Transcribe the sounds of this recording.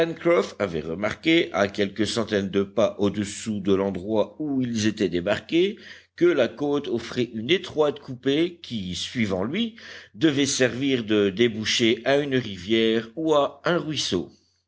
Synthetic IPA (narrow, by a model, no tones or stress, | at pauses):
pɛnkχɔfavɛ̰ʁəmaʁkʲeʔa̰kʲɛlkəsɑ̃t̪ɛnd̪əpaʔod̪əsud̪əlɑ̃d̪ʁwauilzet̪ɛd̪ebaʁkʲe | kəlakot̪ɔfχɛʔynet̪χwat̪kupekʲisɥivɑ̃lɥid̪əvɛsɛʁviʁd̪əd̪ebuʃeʔaynʁivjɛʁuaɛ̃ʁɥiso̰